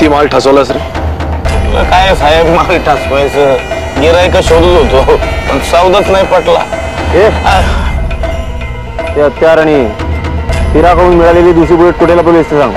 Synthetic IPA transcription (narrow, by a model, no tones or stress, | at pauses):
t̪iːmalʈʰasəʋlas̬ɾə | lə̰kajesajekmalʈʰasʋajsə | ɡiɾaikəɕod̪lɦot̪opəɳsəwd̪ət͡snajpəʈla̰ | e | t̪eət̪jaɾaɽ̃i | fiɾakʰəɽuːnmiɭaleliːd̪us̬iːbuleʈ̚kuʈʰelapolest̪esãŋɡ